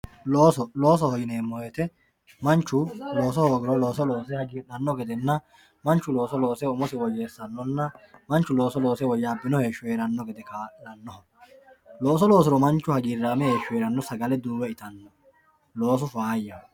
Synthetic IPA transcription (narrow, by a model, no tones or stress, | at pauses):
loːsɔlo̞ːs̬ɔhɔɡɪneːmːɔjɛt̪ɛ | mɐnt͡ʃːʊlo̞ːsɔhoːɡɪɾɔlo̞ːsɔlo̞ːsɛhɐɡiːᶑɐnːɔɡɛd̪ɛnːɐ | mɐnt͡ʃːʊlo̞ːsɔlo̞ːsɛʊmɔsɪwɔjeːsɐnːɔnːɐmɐnt͡ʃːʊlo̞ːsɔlo̞ːsɛwɔjːaːbɪnɔhe̞ːʃːʊjeːɾɐnːɔɡɛd̪ɛkalɐnːɔhɐ | lo̞ːsɔlo̞ːs̬ɪɾɔmɐnt͡ʃːʊhɐɡiːɾːaːmɛhe̞ːʃʊjeːɾɐnːɔsɐɡɐlɛd̪uːwɛɪt̪ɐnːɔ | lo̞ːs̬ɔfaːjːɐ